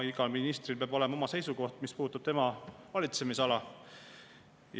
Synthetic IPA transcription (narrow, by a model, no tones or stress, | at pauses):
iɡɑlminist̪rilpeɑːb̥o̞le̞mɑo̞mɑse̞jsuko̞ht̪mispuːt̪ːˑub̥t̪e̞mɑvɑlʲit̪semiseɑlɑ | j